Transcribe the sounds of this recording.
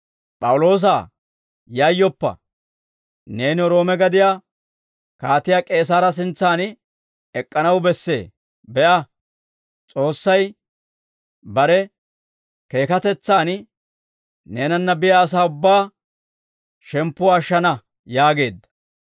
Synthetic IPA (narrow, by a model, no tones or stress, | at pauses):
pʼɐwʊlo̞ːs̬a̰ː | jajːɔpːɐ̰ | ne̞ːnɪɔɾo̞ːmɛɡɐd̪ɪjaː | kaːt̪ɪjaːkʼe̞ːs̬aːɾɐs̬ɪnt͡sːaːn | ɛkʼːɐnɐwbɛsːe̞̰ː | bɛʔɐ | t͡sʼo̞ːsːɐj | bɐɾɛ | ke̞ːkɐt̪ɛt͡sːaːn | ne̞ːnɐnːɐbɪjaːs̬aːʊbːaː | ʃɛmpːʊːʃːɐnɐ | jaːɡe̞ːd̪ːɐ̥